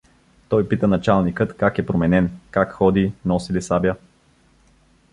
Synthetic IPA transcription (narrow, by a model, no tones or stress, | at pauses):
t̪ɔjpit̪ənɐt͡ʃalˠnikɤt̪kakɛpɾomɛnɛnkakxɔd̪inɔsilisabʲjə